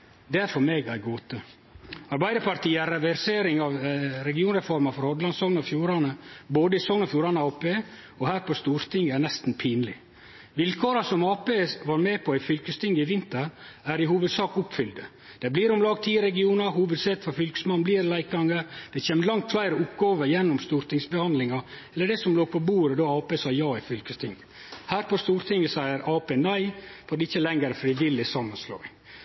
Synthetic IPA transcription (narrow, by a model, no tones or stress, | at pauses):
d̪ɛæɾfɔɾmeːɡæɾɡoːt̪ə | ɑɾbæɪd̪əɾpɑɾt̪ʰiːæɾɛʋæɾseːɾɪŋɑʋɾɛɡɪuːnɾɛfɔɾmɑfɔɾhɔd̪lɑnsɔŋnɔfjuːɾɑnəboːd̪əɪsɔŋnɔfjuːɾɑnəɑːpeː | ɔhæːɾpʰɔst̪uːɾt̪ʰɪŋænɛst̪n̩pʰiːnlɪ̰ | ʋɪlkʰoːɾɑsɔmɑːpeːʋɑːɾmeːpʰɔæɪfʏlkəst̪ɪŋɡɪʋɪnt̪əɾæɾɪhuːʋəd̪sɑːkʊpfʏld̪ə | d̪̥ɛbliːɾʊmlɑːɡt̪ʰiːɾɛɡɪuːnɑɦuːʋəd̪sɛt̪fɔfʏlkə̥smɑnbliːɾlæɪkɑŋəɾd̪̥ɛçeːməlɑŋt̪flæɪɾəʊpɡɑːʋəjɛnːʊmst̪uːɾt̪ɪŋsbɛhɑnd̪lɪŋɑɛlːəɖɛsɔmloːɡpʰɔbuːɾəd̪oːɑːpeːsɑːjɑːɪfʏlkəst̪ʰɪŋ | hæːɾpɔst̪uːɾt̪ʰɪŋːəsæɪəɾɑːpeːnæɪfɔɾɖ̪ɛɪçːəlɛŋəɾfɾiːʋɪlːɪsɑmːɑnslo̰ːɪ